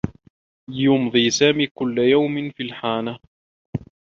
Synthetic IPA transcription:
jʊmðˤiːsaːmiːkʊlːajawmɪnfilħaːna

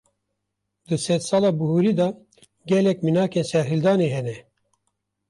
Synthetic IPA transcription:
d̪ɨsɛd̪sɑːlɑːbuhuɾiːd̪ɑː | ɡɛlɛkminɑːkeːnsɛɾɦɨld̪ɑːneːɦɛnɛ

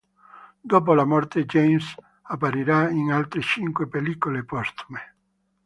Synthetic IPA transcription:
d̪op̬olamɔrt̪ed͡ʒejms | apːaɾiɾaiŋalt̪ɾet͡ʃiŋkwepelikolepɔst̪u̥me

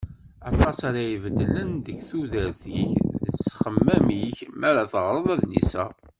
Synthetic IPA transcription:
ɑt̪ˤɑsaɾajəvəd̪ːlənd̪əçθuðəɾθḭçðət͡sːχəmːæmiçmæɾaθəʁɾˤəðˤæðnḭsæ̰

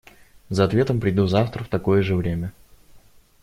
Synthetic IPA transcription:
zəɐt̪vʲe̞t̪əmpɾʲɪd̪uzaft̪ɾəft̪ɐkojəʐɨvɾʲemʲə

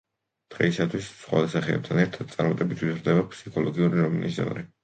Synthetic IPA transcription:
d̪̥ʁɛisat̪ʰwissχwa̰d̪asaχɛɛ̰b̚t̪ʰanɛɾt̪ʰad̪̚t̪sʼaɾmat̪ʼɛbit̪ʰwizɾd̪ɛbapʰsikʰɔlˠɔɡiuɾiɾɔmnʔisɔ̰n̰ɾɛ

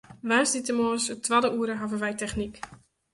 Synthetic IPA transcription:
ʋaːnsditəmɔːsətʋadəʔuəɾəɦavənʋɛjtɛχnik

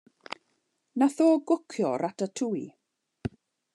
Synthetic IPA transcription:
naθoːɡʊkʰjɔ̰ɾatʰatʰui

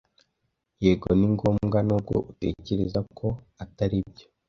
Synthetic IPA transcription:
jeɡoniŋɡo̞ːmɡanub̚ɡo̞̰ʔute̞̰ːce̞ɾe̞zakʰo̞ | ataɾib̚jo̞̥

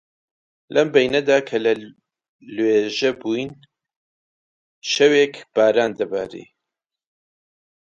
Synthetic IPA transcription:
lʔɐmbɛjnɐd̪aːkʰɐlɐ | lweːʒɐbujn | ʃɐweːkb̥aːɾaːnd̪ɐba̰ːɾḭː

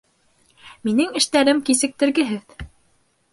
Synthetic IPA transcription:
minɘŋɘ̆ʃt̪æɾɘmkisɘ̆k̚t̪ɘ̆ɾɡɘ̆ɦɘð

